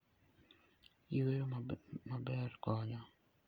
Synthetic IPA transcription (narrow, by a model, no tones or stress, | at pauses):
iweɾomabɛrkɔɲɔ